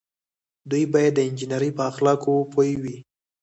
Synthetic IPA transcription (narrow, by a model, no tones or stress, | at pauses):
d̪ujbɑjad̪ːəɪnd͡ʒɪnəɾipəaxlɑkopʰojwi